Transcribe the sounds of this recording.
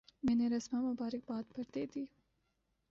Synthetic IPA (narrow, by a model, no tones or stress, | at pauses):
meːneɾɐsmɑmɐbaːɾɪk̚baːd̪̚pɐɾd̪eːd̪iː